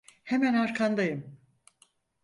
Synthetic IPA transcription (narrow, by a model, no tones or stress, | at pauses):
hemænaɾkʰand̪ajɯm